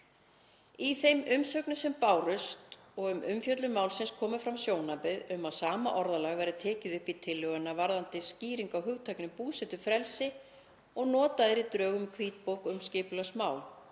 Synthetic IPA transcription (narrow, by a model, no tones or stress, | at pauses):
iθejmʏmsœknʏsɛmpaːwrʏst̪ | ɔɣʏmʏmfjœt̪lʏmawlsɪnskʰɔːmʏfɾamsjoːwnapɪðʏmaðsaːmaʔɔɾðalaɣvɛjɾðɪt̪ʰɛːcɪðʏhpit̪ʰɪlːʏɣanːavaɾðant̪ɪsciːɾiŋkawɦʏɣt̪ʰajknʏpuːsɛt̪ʏfɾɛlsɪ | ɔɣnɔːt̪aðɪɾit̪ɾœːɣʏmkʰviːt̪̚powkʏmscɪːpʏlasmaːwl